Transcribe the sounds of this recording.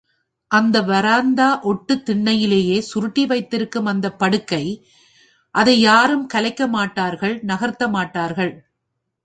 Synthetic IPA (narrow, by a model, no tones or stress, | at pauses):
ʔɐnd̪ɐʋɐɾaːnd̪aːʔɔʈːɯt̪ːɪɳːɐjɪleːjeːsʊɾɯʈːiʋɐɪt̪ːɪɾɯkːɯmɐnd̪ɐpːɐɽɯkːɐɪ | ʔɐðɐɪjaːɾɯmkɐlɐɪkːɐmaːʈːaːɾɣɐɭnɐɣɐɾt̪ːɐmaːʈːaːɾɣɐɭ